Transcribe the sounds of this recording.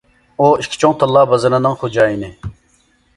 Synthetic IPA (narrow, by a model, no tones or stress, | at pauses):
uiʃʲkʲʰi̥t͡ʃʰoŋt̪ʰəlˠːɑːbɑzɨnɨnɨŋχod͡ʒɑːjinɪ